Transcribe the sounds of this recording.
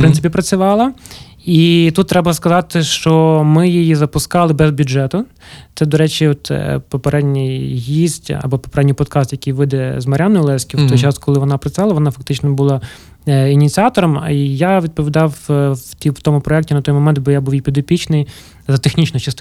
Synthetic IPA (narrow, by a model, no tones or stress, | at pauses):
pɾɪnɪpʲipɾɐt͡sʲʊʋɑlˠɐ | it̪ut̪ːɾɛbɐskɐzɑt̪ɪʃt͡ʃɔmɪjɪjizɐpʊskɑlˠɪbɛzbʲuʒɛt̪ʊ | t̪sɛd̪ɔɾɛt͡ʃʲiɔt̪pɔpeɾɛdʲnʲɪjɦizʲtʲɐ̰bɔpɔpeɾɛdʲnʲijpɔd̪kɑst̪jɐkʲijʋɪd̪ɛzmɐɾʲanɔjɪlˠɛskʲiwt̪ɔjt͡ʃɑskʰɔlˠɪʋɔnɑpɾɐt͡sʲʊʋɑlˠɐʋɔnɑfɐk̚t̪ɪt͡ʃnɔbʊlˠɑ | inʲit̪ʲt͡sʲiɑt̪ɔɾɔm̰jaʋʲid̪̚pɔʋʲid̪ɑwt̪ʲit̪ɔmʊpɾɔɛk̚tʲinɐt̪ɔjmɔmɛnt̪̚bɔjabuwipʲid̪ɔpʲit͡ʃnɪj | zɐt̪exnʲit͡ʃnɔt͡ʃɐst̪